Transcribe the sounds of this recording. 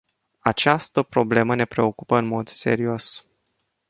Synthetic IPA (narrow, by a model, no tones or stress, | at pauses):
at͡ʃast̪əpɾo̞ble̞məne̞pɾe̞o̞kupəɨnmo̞d̪se̞̰ɾio̞s